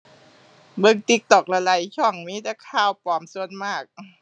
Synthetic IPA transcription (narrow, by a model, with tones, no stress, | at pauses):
bɯ˧ŋt̪i˧˩k̚t̪ɔ˨˩k̚la˧la˨˦jt͡ɕʰɔ˧˩ŋmiː˧˦˥t̪a˧˥kʰaː˧˩wpɔː˨˩˦msu˧ənmaː˧˥˩k̚